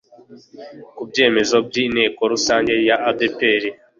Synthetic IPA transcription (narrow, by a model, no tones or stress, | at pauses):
kubɟe̞ːme̞zob̚ɟine̞ːko̞ɾusaːɲɟe̞jaabepe̞ɾi